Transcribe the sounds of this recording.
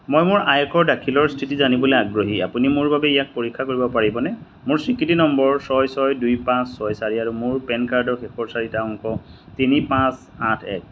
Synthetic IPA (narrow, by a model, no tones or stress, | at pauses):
mojmʊɹajɛkʰɔɹdakʰilɔɹstʰitizanibɔleaɡɹoɦia̰punimʊɹbabɛijak̚poɹikʰːakoɹibɔpaɹibɔnɛ | mʊɹsɹikɹitinɔmbɔɹsɔjsɔjdujpãsːɔjsaɹiaɹumʊɹpɛnkaɹdɔɹxɛxɔɹsaɹitaʊŋkɔtinipãs | atʰɛ̰k̚